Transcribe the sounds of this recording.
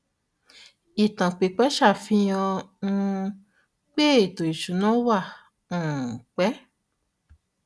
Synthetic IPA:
i˨tã˨k͡pe˨k͡pɛ˨˦ʃa˦˨fĩ˦jã˧ũ˧ | k͡pe˦e˦˨to˨i˨ʃu˨˦nã˨˦wa˦˨ | ũ˨k͡pɛ˨˦

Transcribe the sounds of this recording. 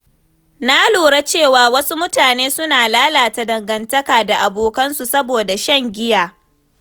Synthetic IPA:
na˦loː˨ɽa˦t͡ʃeː˦˨waː˨wɐ˦su˦mʊ˦taː˨neː˦sʊ˦naː˨laː˦laː˨ta˨dɐ˨ŋɡɐ˨ntɐ˦kaː˨da˨ʔa˨boː˨kɐ˦nsu˨sɐ˦boː˨da˨ʃɐ˦˨ŋɡʲɪ˦jaː˨

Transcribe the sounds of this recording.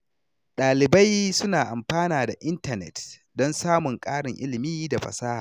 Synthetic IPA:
ɗaː˨lɪ˨ba˦jsʊ˦naː˨ʔa˨mɸaː˦naː˨da˨ʔɪ˦ntɐ˨nɛ̰˨tdɔ˦nsaː˦mʊ˨ŋkʼaː˦ɽɪ˨ŋʔɪ̰˦lɪ˨miː˦da˨ɸɐ̰˨saː˦ha̰ː˨

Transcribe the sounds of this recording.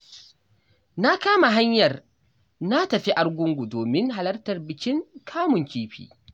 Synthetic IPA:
na˦kaː˦ma˨ɦa˦ɲjɐ˨r | na˦tɐ˨ɸi˦ʔa˨˦rɡʷʊ˦ŋɡʷu˨doː˨mɪ˦ŋɦa˨lɐ˦rtɐ˨rbɪ˨kʲɪ˦ŋkʰaː˦mʊ˨ŋkʲiː˦ɸḭː˨

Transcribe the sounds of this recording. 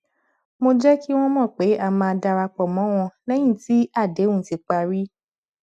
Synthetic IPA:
mo˧d͡ʒɛ˦ki˦w̃ɔ̃˦mɔ̃˦˨k͡pe˨˦a˦˨mã˧da˧ɾa˧k͡pɔ˨mɔ̃˨˦w̃ɔ̃˧lɛ˦j̃ĩ˦˨ti˦a˦˨de˨˦ũ˦˨ti˨˧k͡pa˧ɾi˦

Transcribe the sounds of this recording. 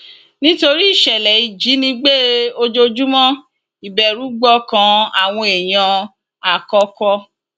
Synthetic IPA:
nĩ˦to˧ɾi˦i˦˨ʃɛ˨lɛ˨i˨d͡ʒi˨˦nĩ˧˦ɡ͡be˦˨o˧d͡ʒo˧d͡ʒu˦mɔ̃˦ | i˨bɛ˨ɾu˨˦ɡ͡bɔ˦kã˧˦a˦˨w̃ɔ̃˧e˨j̃ã˧ | a˨kɔ˧kɔ˧

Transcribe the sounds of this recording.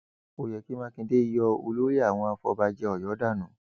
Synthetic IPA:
o˨jɛ˨ki˦mã˦kĩ˧de˦i˦jɔ˧o˧lo˦ɾi˦a˦˨w̃ɔ̃˧a˧fɔ̰˧ba˧d͡ʒɛ˧ɔ˨jɔ˨˦da˦˨nũ˨˦

